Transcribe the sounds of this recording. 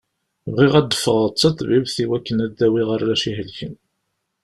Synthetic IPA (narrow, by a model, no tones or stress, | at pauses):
vʁiʁæd̪ːəfəʁət͡sːɑt̪ˤbivθiwækːənæd̪ːæwiʁəɾˤlæʃiɦəlçən